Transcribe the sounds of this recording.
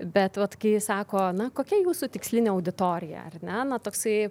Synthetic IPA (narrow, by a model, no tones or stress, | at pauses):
bʲɛt̪ʋɐt̪kɐɪɪsɑːkoːnɐkoːkʲɛjuːsut̪ʲɪksʲlʲɪnʲeːɐʊd̪ʲɪt̪oːɾʲɪjɛ̰ɐ̰rnʲɛnɐt̪oːksɐɪ